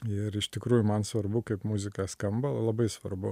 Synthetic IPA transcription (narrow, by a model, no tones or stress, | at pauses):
ɪɾɪʃt̪ʲɪkɾuːjʊmɐnsʋɐrbʊkɐɪpmʊzʲɪkɑskɐmbɐlˠlˠɐbɐɪsʋɐɾbʊ